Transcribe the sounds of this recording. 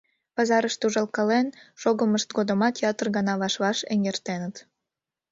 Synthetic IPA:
pɑzɑɾəʃt̪uʒɑlkɑlenʃoɣəməʃt̪ɡod̪ə̆mɑt̪jɑt̪ərɣɑnɑβɑʃβɑʃḛŋʲɡert̪enət̪

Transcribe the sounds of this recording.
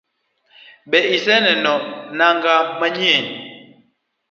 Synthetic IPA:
ɓɛisɛnɛnɔnaŋɡamaɲɛni

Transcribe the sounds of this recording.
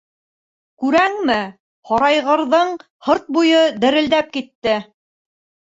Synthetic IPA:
kʉɾæŋmɘ | hɑɾɑjʁɤ̆ɾðɤɴ | hɤɾt̪̚bujɤd̪ɘ̆ɾɘ̆ld̪æp̚kit̪ːɘ

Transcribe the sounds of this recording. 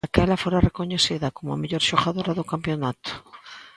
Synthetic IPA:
akɛlafoɾarekoɲesiðakomoa̰meʎoɾʃoɣaðoɾaðokampjonat̪ʊ̥

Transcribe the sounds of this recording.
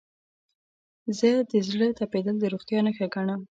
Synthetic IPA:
zəd̪əzɽət̪aped̪əld̪əɾoχt̪jɑnəxaɡaɳam

